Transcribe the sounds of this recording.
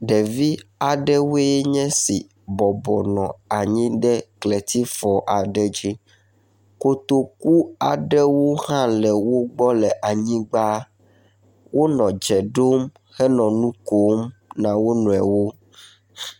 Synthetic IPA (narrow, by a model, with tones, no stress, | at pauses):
ɖɛ˨vi˦a˨ɖɛ˦wo˦ɛ˦ɲɛ̃˦si˨ | bɔ˨bɔ˨nɔ̃˨a˨ɲĩ˦ɖɛ˦klɛ˨t̪i˦fɔ˨ʔa˨ɖɛ˦d͡ʒi˦ | ko˦t̪o˦ku˦a˨ɖɛ˦wo˦hã˦lɛ˨wo˦ɡ͡bɔ˦lɛ˨ʔa˨ɲĩ˦ɡ͡ba˦ | wʔo˦nɔ̃˨d͡ʒɛ˨ɖo˦m | xɛ˦nɔ̃˨nũ˦ko˦mnã˨wo˦nɔ̃˨ɛ̰˨wo˦